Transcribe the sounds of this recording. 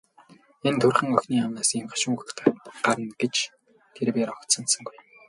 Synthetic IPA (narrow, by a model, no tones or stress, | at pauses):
ent̪ʰɵrχə̆ŋœxʲniːamnaːsemχḁʃʊ̆ŋxt̪ɢ̥aɾə̆nɡet͡ɕ | t̪ʰeɾpeːɾɔkt̪sə̆nsə̆ŋɡuj